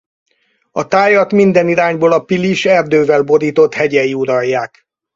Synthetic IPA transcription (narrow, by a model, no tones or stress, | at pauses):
ɒt̪aːjɒt̪mind̪ɛniɾaːɲboːlɒpiliʃɛrd̪øːvɛlbo̞d̪iːt̪o̞t̪hɛɟɛjiuɾɒjːaːk